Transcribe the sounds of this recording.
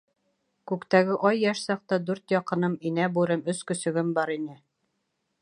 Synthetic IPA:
kʉkt̪æɡɘʔɑjːæʃsɑq̚t̪ɑd̪ʉɾt̪jɑqɤ̆nɤminæbuɾɤmɵskɵ̆sɵ̆ɡɘmbɑɾinɘ

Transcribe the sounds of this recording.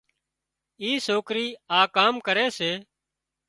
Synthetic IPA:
iːsoːkɾiːaːkaːmkəɾeːseː

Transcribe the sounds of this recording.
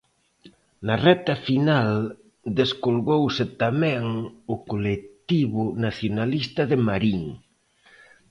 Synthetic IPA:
narɛt̪afinal | d̪eskolɣowset̪amɛ̃ŋʊkolet̪iβʊnaθjonalist̪ɐðemaɾiŋ

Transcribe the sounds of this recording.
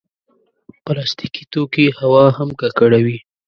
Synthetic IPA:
pəlɑst̪ikit̪okihawɑhamkakaɽawi

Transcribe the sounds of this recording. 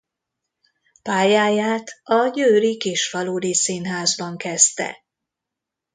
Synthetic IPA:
paːjaːjaːt̪ɒɟøːɾikiʃfɒloːdisinɦaːzbɒŋkɛst̪ɛ̰

